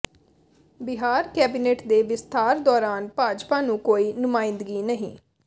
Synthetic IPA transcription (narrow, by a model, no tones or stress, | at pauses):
bɪɦaːɾkɛːbiːneːʈd̪eːʋɪst̪ʰaːɾd̪ɔːɾaːnpaːd͡ʒpaːnũːkoːiːnʊmaːɪ̃nd̪əɡiːnəɦḭ̃ː